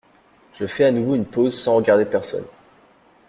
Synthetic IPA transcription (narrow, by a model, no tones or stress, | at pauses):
ʒ̥əfɛanuvoynpozsɑ̃ʁəɡaʁd̪epɛʁsɔ̰n